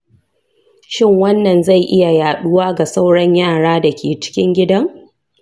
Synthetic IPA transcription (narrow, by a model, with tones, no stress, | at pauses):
ʃɪ˦˨ŋwɐ˦nːɐ˨nza˦˨jʔɪ˦ja˨jaː˨ɗʊ˦waː˦ɡa˨sa˦wɽɐ˦ɲjaː˦˨ɽaː˦da˨kʲʰeː˨t͡ʃɪ̥˦kʲɪ˦ŋɡʲɪ˦dɐ˦ŋ